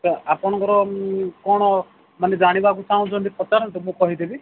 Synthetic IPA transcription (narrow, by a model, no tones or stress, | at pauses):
apɔɽ̃ɔ̃ŋkɔɾɔkɔɽ̃ɔ | maned͡ʒaɽ̃ibak̬ut͡ʃaw̃d͡ʒonʈipɔt͡ʃaɾɔnʈumũkɔɦid̪ebi